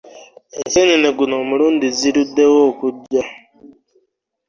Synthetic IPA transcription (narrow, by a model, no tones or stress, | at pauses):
eseɲineɡuno̞ːmuɾuːndiziɾudːewoːkuɟːa